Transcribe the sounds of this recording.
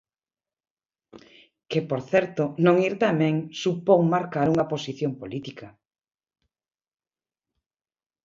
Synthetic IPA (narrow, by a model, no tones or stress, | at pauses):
kepoɾθɛɾt̪onõŋiɾt̪amɛ̃ŋsupoŋmaɾkaɾuŋɐposiθjompolit̪ikɐ